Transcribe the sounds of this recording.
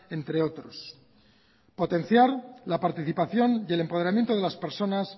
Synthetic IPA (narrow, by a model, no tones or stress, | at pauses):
e̞nt̪ɾe̞o̞t̪ɾo̞s | po̞t̪e̞n̟θjaɾlapaɾt̪iθipaθjo̞nje̞le̞mpoðeɾamje̞nt̪o̞ðe̞laspe̞ɾso̞nas